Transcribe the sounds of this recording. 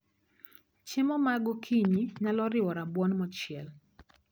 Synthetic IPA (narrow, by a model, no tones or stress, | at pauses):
t͡ʃɪmɔmaɡɔkʰiɲiɲalɔɾɪwɔɾabwɔnmɔt͡ʃɪɛl